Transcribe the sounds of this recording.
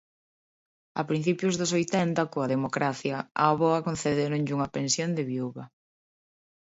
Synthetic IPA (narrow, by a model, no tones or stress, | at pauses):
ɐpɾin̟θipjʊzðʊsojt̪ɛnt̪ɐkoɐðemokɾaθjɐaβɔɐkon̟θeðeɾoɲʎuŋɐpẽnsjond̪ɪβiuβɐ